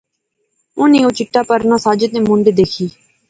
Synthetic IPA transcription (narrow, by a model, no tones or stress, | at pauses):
ʊnẽːoːt͡ʃɪʈːaːpəɾnãːsaːd͡ʒət̪ẽːmʊ̃ɳɖ̪eːd̪eːkʰiː